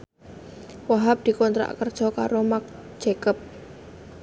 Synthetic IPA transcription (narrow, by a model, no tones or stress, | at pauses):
waɦap̚d̪̥i̤kɔnt̪ɾa̰ʔkərd̥ʒ̥ɔka̰ɾomak̚ | ʒ̥ekəp̚